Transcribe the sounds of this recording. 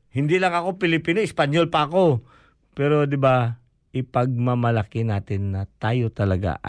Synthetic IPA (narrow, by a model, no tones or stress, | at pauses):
hɪnd̪ilɐŋɐko̞pɪlɪpiːnoɪspɐɲjolpɐɐko̞ | pɛːɾo̞d̪ɪba | ʔɪpɐɡ̚mɐmɐlakɪnaːt̪ɪnːɐt̪aːjot̪ɐlɐɡa̰